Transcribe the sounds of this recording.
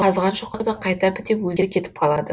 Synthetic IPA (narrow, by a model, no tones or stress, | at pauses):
ɑzʁɑnʃʊqʰɑʁəd̪ɑqʰɑjt̪ɑpɪt̪epwɵzʲekʲʰe̞t̪ɪ̥pqʰɑlˠɑd̪ə